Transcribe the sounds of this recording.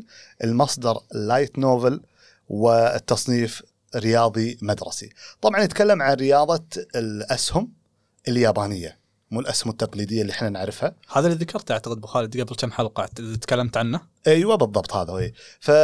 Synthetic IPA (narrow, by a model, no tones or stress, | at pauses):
ʔəlmɑsˤd̪ɑɾˤlːaːjt̪noːvɪl | wɪt̪ːɑsˤniːf | ɾɪjɑːðˤimad̪ɾˤɑ̰sḭt̪ˤɑbʕɑnət̪kalːamʕanɾɪjɑːðˤɑlʔashʊm | ʔɪljaːbaːnɪjːa̰ | muːlʔashʊmɪt̪ːɑqliːd̪ɪjːaliʔħnanaʕɾɪfhahaːðaliðakʰɑɾˤt̪ʔaʕt̪aqəd̪̚bɪxaːlɪd̪ɡabɪlt͡ʃ̪amħalqɑʕt̪ðit̪kalːamt̪ʕanːa | ʔiːwabɨðˤːɑbt̪ˤha̰ːðawʔefa